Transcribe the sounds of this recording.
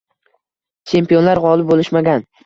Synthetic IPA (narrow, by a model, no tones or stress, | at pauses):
t͡ʃʰe̞mpio̞nlaɾʁɒlˠɪbolɪʃmaɡʲan